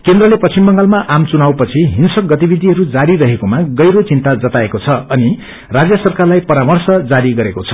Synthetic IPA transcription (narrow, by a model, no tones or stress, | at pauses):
kend̪rʌlepʌt͡simbʌŋɡalmaʔamt͡sunawpʌt͡sʰiɦinsʌk̚ɡʌt̪ibid̪ʱiɦʌɾud͡zaɾiɾʌɦekomaɡʌjɾot͡sint̪ad͡zʌt̪aekot͡sʰʌʌni | rad͡zjʌsʌrkarlajpʌɾamʌrsʌd͡zaɾiɡʌɾekot͡sʰʌ̥